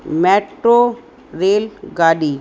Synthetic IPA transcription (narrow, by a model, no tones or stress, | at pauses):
mɛːʈɾo | ɾeːlɡaːɖiː